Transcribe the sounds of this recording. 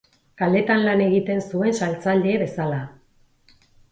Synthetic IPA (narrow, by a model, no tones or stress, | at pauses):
kale̞t̪anlane̞ɣ̞it̪e̞nsue̞nsalt͡sald̪eβe̞sala